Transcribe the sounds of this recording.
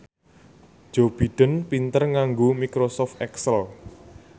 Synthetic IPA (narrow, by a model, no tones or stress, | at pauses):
d͡ʒ̥ob̥i̤ɖ̥ə̤npint̪ərŋaŋɡomikɾosɔft̪ɛksəl